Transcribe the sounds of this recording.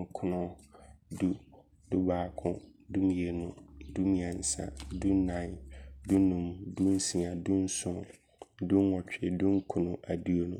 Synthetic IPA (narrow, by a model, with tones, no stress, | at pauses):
ŋ̩˦kʰʊ˦nʊ̃˦du˦ | dʊ˦baː˨kʰʊ̃˦du˦mĩ˨˦e˨nʊ̃˨du˦mĩ˨ã˨n˨sa̰˨du˦nã˨ndu˦nũ˨mdũ˦n˦sĩ˨ã˨dũ˦n̩˦sʊ̃˨m | dʊ̃˦n˦wɔ˨t͡ɕᶣɛ˨dũ˦ŋ̩˦kʰʊ˨nʊ̃˨ʔa˨di˦o˨nʊ̰̃˨